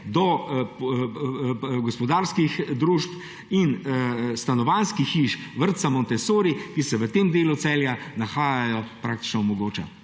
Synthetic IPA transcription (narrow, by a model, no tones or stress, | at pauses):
d̪ɔ | ɡɔspɔd̪aːɾskixd̪ɾuʃp | inst̪anɔʋanskixːiʃʋəɾt̪samɔnt̪ɛsoːɾikisɛʋət̪emd̪eːlut̪sɛljanaxaːjajɔpɾaːk̚t̪i̥t͡ʃnɔɔmɔɡoːt͡ʃa̰